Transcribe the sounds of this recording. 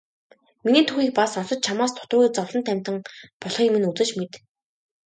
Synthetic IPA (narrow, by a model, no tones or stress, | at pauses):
miniːt̪ʰuxiːk̚pasɔnsɞ̆t͡ɕ̪̚t͡ɕʰamaːst̪ʰʊ̥t̪ʊːɣʲiːt͡sɔwɮɞ̆nt̪ʰæmʲt̪ə̆ŋpɔɮχĭŋimɘ̆nut͡sɘ̆t͡ɕmet̪